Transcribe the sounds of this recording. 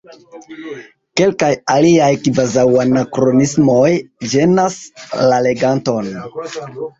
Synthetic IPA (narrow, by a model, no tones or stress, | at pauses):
ke̞lkajaliajkivazawanakɾo̞nismo̞jd͡ʒe̞naslale̞ɡanto̞n